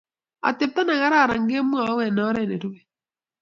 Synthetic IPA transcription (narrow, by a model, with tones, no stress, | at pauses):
a̰˨te˨p̚ta˦na˨ɣa˦ɾa˦˨ɾa˨ŋɡe˦mwa˨ɔ˦wɛ˨nɔ˦ɾɛ˨ne˨ɾu˦βɛ˦